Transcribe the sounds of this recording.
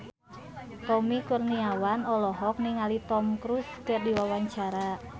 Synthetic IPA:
t̪ɔmikurniawanɔlɔɦɔk̚niŋalit̪ɔmkɾuskərdiwawaɲt͡ʃaɾa

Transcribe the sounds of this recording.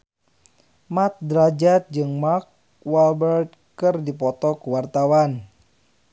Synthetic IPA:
mat̪̚dɾad͡ʒat̪̚d͡ʒɨŋmak̚ | walbərt̪̚kɨrdipɔt̪ɔkuwart̪awan

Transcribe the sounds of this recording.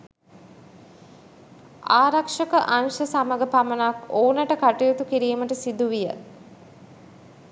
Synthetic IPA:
aːɾakʂəkəʔanʃəsaməɡəpamənakoːnəʈəkaʈijut̪ukiɾiːməʈəsid̪uʋijə

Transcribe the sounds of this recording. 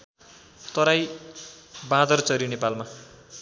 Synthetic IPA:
t̪ʌɾaj | bãd̪ʌrt͡sʌɾjinepalma

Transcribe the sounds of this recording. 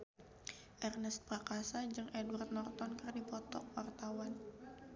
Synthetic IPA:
ʔɛrnɛst̪̚pɾakasad͡ʒɨŋʔɛduart̪̚nɔrt̪ɔnkərdipɔt̪ɔ̰k̚wart̪awan

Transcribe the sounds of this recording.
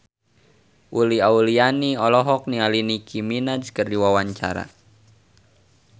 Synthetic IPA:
ʔuliaulianiɔlɔɦɔk̚nialinikʰiminad͡ʒkərdiwawaɲt͡ʃa̰ɾa̰

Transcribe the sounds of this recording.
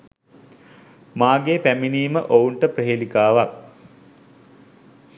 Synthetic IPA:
maːɡeːpæminiːməʔouɳʈəprəɦelikaːʋak̚

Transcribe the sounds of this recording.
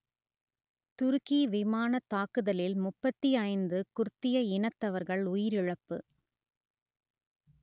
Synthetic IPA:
t̪ʊɾɯkiʋɪmaːnɐt̪ːaːkɯðɐlɪlmʊpːɐt̪ːiɐɪnd̪ɯkʊɾt̪ːɪjɐɪnɐt̪ːɐʋɐɾɣɐɭʊjɪɾɪɻɐpːɯ̰

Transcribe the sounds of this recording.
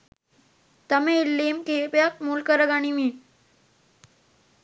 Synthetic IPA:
t̪əmelːemkepjak̚mulkəɾəɡañimiː

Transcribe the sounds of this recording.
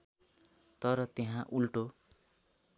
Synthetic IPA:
t̪ʌɾʌt̪eɦãʔulʈo

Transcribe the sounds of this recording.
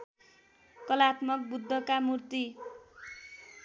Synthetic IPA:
kʌlat̪mʌk̚bud̪ʱːʌkamurt̪i

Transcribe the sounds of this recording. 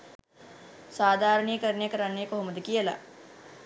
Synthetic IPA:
saːd̪ʱaːɾɐɳikəɾɳejkəɾanːejkoɦuməd̪əkijəla̰

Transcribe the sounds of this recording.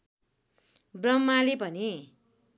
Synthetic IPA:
brʌmːalebʱʌne

